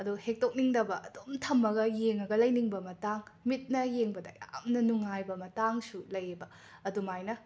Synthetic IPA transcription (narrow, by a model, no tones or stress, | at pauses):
ɐduhek̚tok̚niŋdɐbɐʔɐdomtʰɐmːɐɡɐjeŋɐɡɐlɐjniŋbɐmɐtaŋmit̚nɐjeŋbɐdɐ̰ja̰mnɐnuŋajbɐmɐtaŋsulɐjbɐː | dumajnɐ